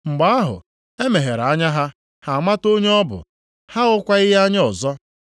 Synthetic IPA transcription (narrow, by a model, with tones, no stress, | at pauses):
ŋ͡m̩˨ɡ͡ba˨a˦ɦʊ̰˨ | e˦me˨ɦe˨ɾa˦ɲa˦ɦa˦ | ha˨ma˦to˦ɲe˦ɔ˦bʊ̰˨ | ha˦ʊ˦kʷa˦ɪ˦ɦa˦ɲ˦ɔ˨zɔ˦